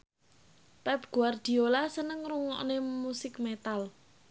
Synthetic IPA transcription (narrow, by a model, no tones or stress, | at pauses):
pɛp̚ɡ̥ṳard̪̥i̤olasənəŋruŋɔ̰ʔnemusɪkmet̪al